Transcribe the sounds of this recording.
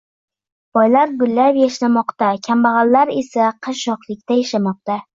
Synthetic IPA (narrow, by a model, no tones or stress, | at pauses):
b̥ɒjlaɾɡʊlːapjaʃlamɒqt̪akʲʰambaʁɑlːaɾesaqʰɨʃɒqlˠɪk̚ʲt̪ajaʃamɒq̚t̪a